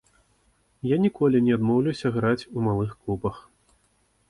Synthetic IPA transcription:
janʲikɔlʲinʲɛad̪mɔwlʲɐwsʲɐɣɾat͡sʲumalˠɨxklubɐx

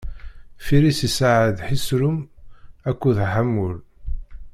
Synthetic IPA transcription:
fiɾisisaʕəðħisɾʊmækʷːuðħamːul

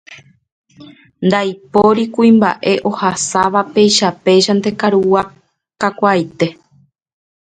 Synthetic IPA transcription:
nd̪ajpoɾikuĩmba̰ʔe̞ʔo̞hasaʋape̞jʃape̞ʒand̪e̞kaɾuwa | kakʷajt̪e̞

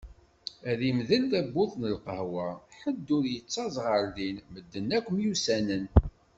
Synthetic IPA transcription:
æðimðəlθæbːʊðˤnəlqəhwɑħəd̪ːʊɾjət͡sːɑzˤʁəɾðinməd̪ːənːækʷːəmjusænən

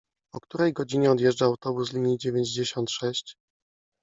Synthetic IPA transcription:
ɔkt̪uɾɛjɡɔd͡ʑiɲɛɔd̪jɛʐd͡ʐaːwt̪ɔbuslʲiɲid͡ʑevʲjeɲd͡ʑd͡ʑeɕɔnt̪ʂɛɕt͡ɕ

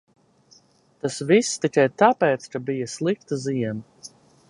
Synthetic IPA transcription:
t̪asvisːt̪ikajt̪apɛːt̪skabijaslˠik̚t̪aziɛn

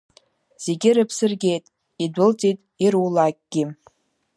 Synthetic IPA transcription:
z̥e̞ɡʲɪɾɨpʰsɨrɡʲe̞jtʼ | idʷʊlt͡sʼitʼiɾulak̚ʲʼɡ̥ʲɪ

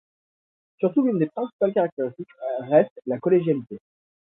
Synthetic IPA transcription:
syʁt̪ulynd̪epχɛ̃si̥palkaʁak̚t̪eʁist̪ikʁɛst̪lakɔleʒjalit̪e

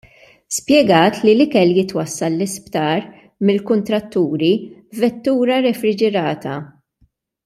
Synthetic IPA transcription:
spjɛɡɐːt̪lilɪkɛljɪt̪wɐsːɐlːɪspt̪ɐːɾ | mɪlkʊnt̪ɾɐt̪ːuːɾivɛt̪ːuːɾɐɾɛfɾɪd͡ʒɛɾɐːt̪ɐ

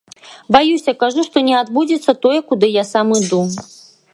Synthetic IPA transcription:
bajusʲɐkaʐuʂt̪ɔnʲɛad̪bud͡zʲɛt̪sːɐt̪ojɛkud̪ɨjasamɨd̪u

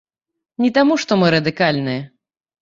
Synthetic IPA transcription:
nʲit̪amuʂt̪ɔmɨɾɐd̪ɨkalʲnɨjɛ

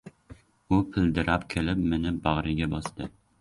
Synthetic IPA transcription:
ʊpʰɪld̪ɪɾʔapkʲʰelɪpmenɪbɑʁɾɪɡʲɛbɒst̪ɪ

